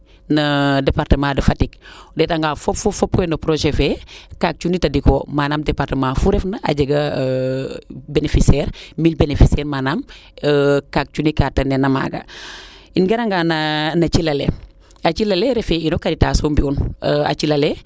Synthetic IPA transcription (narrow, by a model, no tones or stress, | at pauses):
nɐdepaɾtəmãːdəfatik̚detaŋɡaːfopfofop̚kɔjnopɾoʒefekak̚t͡ʃunitɐdikoːmaːnaːmdepaɾtəmãːfuɾɛfnɐʔa̰ɟɐɡɐ | benefisɛɾmilbenefisɛːɾmaːnam | kak̚t͡ʃunikatɐnenɐma̰ɡa̰ | inɡɐɾaŋɡananat͡ʃilɐlḛ | at͡ʃilɐleɾefeinokaɾitasombiuna̰t͡ʃilɐle